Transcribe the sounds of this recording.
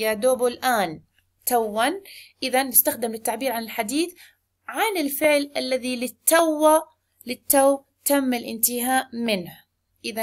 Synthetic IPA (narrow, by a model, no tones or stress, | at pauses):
jad̪oːbʊlʔaːn | t̪awːanʔɪðanːɪst̪axd̪ɪmlɪt̪ːaʕbiːɾʕanɪlħad̪iːθ | ʕanɪlfɪʕlʔalːaðilɪt̪ːawːa | lɪt̪ːaw | t̪amːalʔɪ̰nt̪ɪhaːʔmɪnh | ʔɪða